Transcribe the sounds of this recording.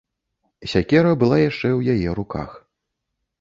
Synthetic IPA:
sʲakʲɛɾɐbɨlˠajaʂt͡ʂɛwjajɛɾuka̰x

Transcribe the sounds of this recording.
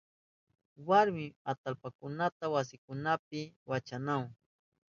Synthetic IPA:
waɾmɪat̪alpakʊnat̪awas̬ɪkʊnapɪwat͡ʃanawŋ

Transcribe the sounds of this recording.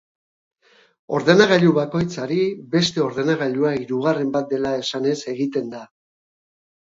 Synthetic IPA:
o̞̰ɾðe̞naɣaʎuβako̞jt͡saɾibe̞st̪e̞o̞ɾðe̞naɣaʎuaiɾuɣ̞are̞mbat̪̚d̪e̞lae̞sane̞se̞ɣit̪e̞nd̪a

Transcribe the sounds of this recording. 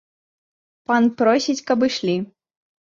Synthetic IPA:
panpɾɔsʲit͡sʲkɐbɨʂlʲi

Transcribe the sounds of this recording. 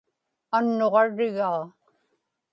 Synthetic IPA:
anːoʁɑɻɪɣaː

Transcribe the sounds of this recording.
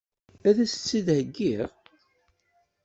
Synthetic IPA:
æðæsə̥t͡sːiðhəɡːiʁ

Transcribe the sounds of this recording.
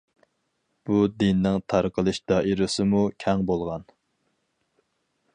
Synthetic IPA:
b̥ud̪inːɪŋt̪ʰɑɾqʰəlˠɨʃd̪̥ɑːʔiɾɨsɨmukʲʰɛŋbolˠʁɑn

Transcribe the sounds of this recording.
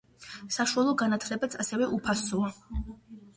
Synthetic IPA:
saʃualˠɔɡanat̪ʰlɛbat̪sʰasɛvɛʔupʰasɔa

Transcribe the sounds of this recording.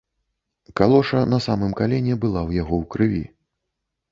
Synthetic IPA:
kalˠɔʂɐnɐsamɨmkalʲɛnʲɛbɨlˠawjaɣɔwkɾɨvʲḭ

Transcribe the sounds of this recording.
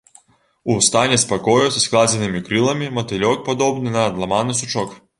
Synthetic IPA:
ust̪anʲɛspɐkɔjɔsʲɐsklˠazʲɛnɪmʲikɾɨlˠɐmʲimɐt̪ɪlʲɔk̚pɔd̪ɔbnɨnɐd̪lˠɐmanɪsʊt͡ʂɔk

